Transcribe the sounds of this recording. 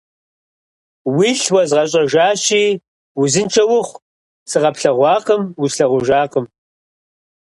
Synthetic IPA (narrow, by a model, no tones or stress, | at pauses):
wiːɬwɐzʁɐɕʼɐʒaːɕiː | wʊzɨnt͡ʃʰʼɐwʊχʷ | sɨʁɐpɬɐʁʷɑːqəmwusɬɐʁʷʊʒaːqəm